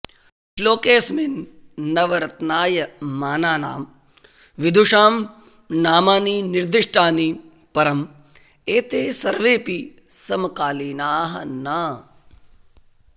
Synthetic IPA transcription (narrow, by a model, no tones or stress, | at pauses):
ʃloːkeːsminːɐʋɐɾɐt̪naːjɐmaːnaːna̰ːm | ʋid̪ʱuʂaːm | naːmaːniniɾd̪iʂʈʰaːni | pɐɾɐm | eːt̪eːsɐɾʋeːpi | sɐmɐkaːliːnaːɦɐnaː